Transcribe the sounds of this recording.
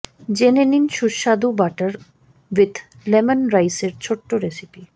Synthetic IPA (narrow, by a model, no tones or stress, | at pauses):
d͡ʑeneninʃuʃad̪ubaʈəɾ | ʋit̪ʰ | lemanɾajseɾt͡ɕʰoʈːoɾesipi